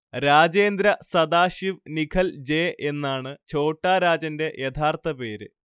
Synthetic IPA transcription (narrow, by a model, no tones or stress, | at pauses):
ɾaːd͡ʑeːnd̪ɾɐsɐd̪aːɕiʋnikʰɐld͡ʑe̞ːʔe̞nːaːɳɨt͡ɕo̞ːʈːaːɾaːd͡ʑɐnde̞ʔjet̪ʰaːrt̪ʰɐpe̞ːɾɨ̰